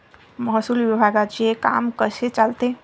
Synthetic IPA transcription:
məɦsulʋibʱaɡad͡ʒeka̰mkəset͡ʃalt̪e

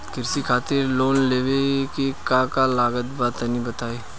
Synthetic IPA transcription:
kɪɾsikʰaːt̪ɪɾloːnleːʋekikãkalaːɡət̪baːt̪nĩbɐt̪aːiː

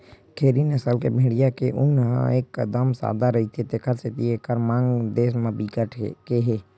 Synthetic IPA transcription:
kʰeːɾinəsəlkebʱeːɽijakeʔʊnɦã̰eːkːəd̪əmsa̰ːd̪aɾɐɦit̪ʰet̪eːkʰəɾset̪iekəɾmãːŋɡd̪eːs̬məbikəʈʰkeɦeː

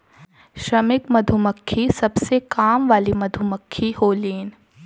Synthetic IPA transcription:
ʃɾɐmɪkmɐd̪ʱʊməkʰːisɐbsekaːmʋaːlimɐd̪ʱuməkʰːiɦoːliːn

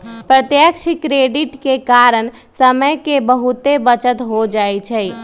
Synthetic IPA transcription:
pɾət̪jəkʃʰikɾeːɖɪʈkekaɾən | səməjkebəɦut̪ebət͡ʃət̪ɦod͡ʒaːit͡ʃʰɛ

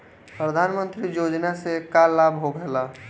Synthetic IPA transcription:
pɾəd̪ʱaːnmə̃nt̪ɾijoːd͡ʒnasekalaːbɦoɡʱɛla

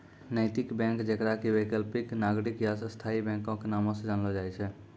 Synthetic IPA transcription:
nəɪt̪ɪkbɛ̃ːŋkd͡ʒekɾakiwekəlpɪknaːɡɽɪkjasst̪ʰaːibɛ̃ːŋkõkenaːmõsed͡ʒanlod͡ʒaːit͡ʃʰɛ

